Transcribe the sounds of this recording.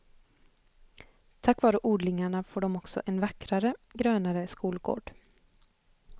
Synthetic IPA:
t̪ʰakːvɑːɾəʔuːɖlɪŋaɳafoːɖɔmɔksɔ̰ʔɛnvakɾaɾəɡɾøːnaɾəskuːlɡo̰ːɖ̥

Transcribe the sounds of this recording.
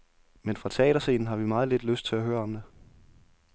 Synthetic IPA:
menfʁɑ̈t͡sʰɛ̰ːɾ̥ɐse̝̰ːnn̩ɦɑ̈ʋimɑ̈ːð̞̩ˠled̥løsd̥̚t͡sʰe̝læɦøːɐɒ̽md̥e̝

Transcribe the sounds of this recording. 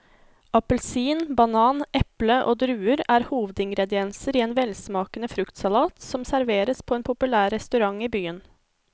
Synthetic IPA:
ʔɑpəlsiːnbɑnɑːnʔɛpləʔo̰ːd̪ɾʉːəɾæːɾhuːʋəd̪ɪŋɡɾɛd̪ɪɛnsəɾiːeːnʋɛlsmɑːkənəfɾʉkt̪sɑlɑːt̪sɔmsæɾʋeːɾəspʰoeːnpʰʊpʉlæːɾːɛst̪ʉɾɑŋiːbyːən

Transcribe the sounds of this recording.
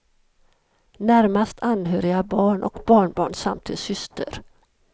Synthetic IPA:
næɾmast̪ʰanɦœːɾɪɡabɑːɳʔɔ̰kbɑːɳbɑːɳsa̰mt̪ʰɪsʏst̪ʰə̰ɾ

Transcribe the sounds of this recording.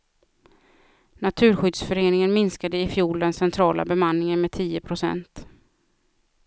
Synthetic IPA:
nat̪ʰʉ̟ːɾɧʏd̪sfœɾeːnɪŋənmɪnskad̪əɪfjuːld̪ɛnsɛnt̪ʰɾɑːlʔa̰bɛmanːɪŋənmɛt̪ʰiːəpʰɾʊsɛ̰nt̪

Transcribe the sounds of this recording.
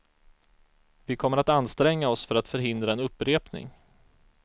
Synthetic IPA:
vɪkʰɔmːəɾat̪anːst̪ɾɛŋːaɔsfœɾat̪fœɾɦɪnd̪ɾaɛnɵpːɾeːpnɪ̰ŋ

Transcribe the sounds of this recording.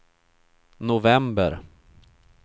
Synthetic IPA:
nʊvɛmbə̰ɾ

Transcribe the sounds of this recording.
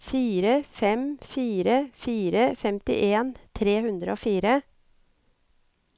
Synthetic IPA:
fiːɾəfɛmfiːɾəfiːɾəfɛmt̪ɪ̰ʔeːnt̪ʰɾeːhʉnd̪ɾə̰oːfiːɾə

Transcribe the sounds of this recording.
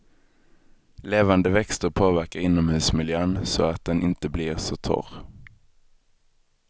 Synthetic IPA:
leːvand̪əvɛkst̪əɾpʰoːvæɾkaɾɪnːɔmhʉ̟ːsmɪljøːnsɔat̪̚d̪ɛnɪnt̪əblɪɾsɔt̪ʰɔ̰ɾ

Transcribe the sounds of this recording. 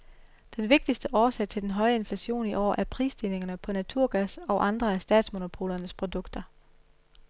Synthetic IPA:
d̥enʋe̝ɡ̥̚d̥isd̥əʔɒːsɛɪt͡sʰe̝ld̥enɦɒ̽ɪəe̝nflæɕo̝̰ːniʔɒ̰ːʔæɐpʰʁḭːsd̥ine̝ŋɐnəpʰɒ̽næt͡sʰuɐ̰ɡ̥æsɒ̽ʔɑ̈nd̥ʁɐæɐsd̥ɛ̰ːd̥smo̝no̝pʰo̝̰ːlɐnəspʰʁo̝d̥ɔ̽ɡ̥d̥ɐ

